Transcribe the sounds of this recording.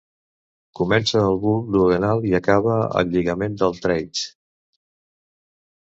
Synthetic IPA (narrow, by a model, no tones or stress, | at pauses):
kumɛnsəːlˠβulˠd̪uɣənalˠiəkaβəə̰ʎiɣəmend̪əlˠt̪ɾɛjt͡ʃ